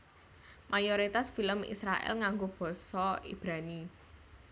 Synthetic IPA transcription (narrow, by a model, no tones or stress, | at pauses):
mʔajoɾit̪asfiləmḭsɾaʔɛ̰lŋaŋɡob̥ɔ̤sɔḭb̥ɾani